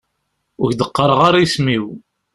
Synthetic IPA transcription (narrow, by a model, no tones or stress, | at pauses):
ʊçd̪əqːəɾˤʁaɾajsmiw